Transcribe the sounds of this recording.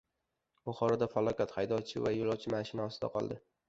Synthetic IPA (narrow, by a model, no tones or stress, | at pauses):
bʊχɒɾɒd̪afalˠɒkʲat̪hajd̪ɒt͡ʃʰɪvajolˠɒwt͡ʃʰɪmaʃɪnaɒsd̪a̰qʰɒ̰lˠd̪ɪ